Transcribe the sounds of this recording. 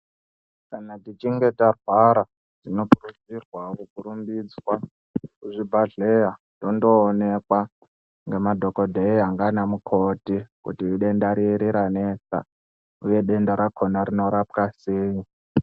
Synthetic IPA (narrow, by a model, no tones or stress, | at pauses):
kanatit͡ʃiŋɡe̞tarwaɾa | ʐino̞purud͡zirwakukuɾumbid͡zwa | kuʐibʱaɮejandondoːnekwa | ŋɡemadʱokodʱeiaŋɡanamukʰotikṵtiːɗe̞ndaɾiɾiɾanesa̰ | uje̞ɗe̞ndaɾakʰonaɾino̞ɾapkaseːɲi